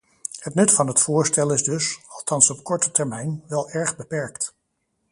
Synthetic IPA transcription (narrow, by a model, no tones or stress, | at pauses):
hətnɵtfɑnɦətfʊːɹstɛlˠɪzdɵsɑlˠtɑnsɔpkɔɹtətɛɹmɛjnʋɛlˠɛɹχbəpɛɹkt